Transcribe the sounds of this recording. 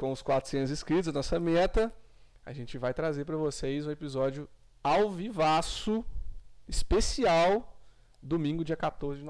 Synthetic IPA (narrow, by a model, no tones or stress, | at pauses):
kõʊskwat̪ɾʊsẽnʊzɪskɾit̪ʊzɐnɔsɐmɛt̪ɐ | a̰ʒẽt͡ʃɪvajt̪ɾazeɾpɾɐvosejzũepizɔd͡ʒjʊ | awvivasʊ | ɪspesiaw | d̪omĩŋɡʊd͡ʒiɐkat̪oɾzɪd͡ʒɪn